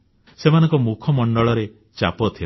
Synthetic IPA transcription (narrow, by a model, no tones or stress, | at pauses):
semanɔ̃ŋkɔmukʰɔmɔɳɖɔɭɔɾe | t͡ʃa̰pɔt̪ʰil